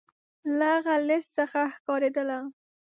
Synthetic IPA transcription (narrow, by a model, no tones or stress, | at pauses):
laɣalɪst̪səxaxkɑɾed̪əla